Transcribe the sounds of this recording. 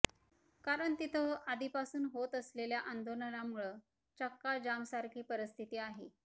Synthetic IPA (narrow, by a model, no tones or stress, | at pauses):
kaɾəɳt̪it̪ʰəad̪ʱipasuːnɦot̪əsleljaʔand̪onəlamuɭə | t͡ɕəkːad͡ʑamsaɾkʰiːpəɾəst̪ʰit̪iːaɦe